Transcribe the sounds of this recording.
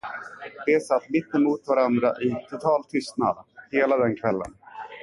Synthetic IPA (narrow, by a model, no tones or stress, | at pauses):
d̪ɛsat̪ːmɪt̪ːɛmuːt̪vaɾand̪ɾaʔɪt̪ʰʊt̪ʰɑːlt̪ʰʏst̪na̰d̪heːlad̪ɛnkʰvɛlːə̰n